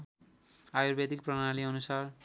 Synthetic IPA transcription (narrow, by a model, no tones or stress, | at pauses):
ajuɾbed̪ik̚prʌɽ̃aliʌnusar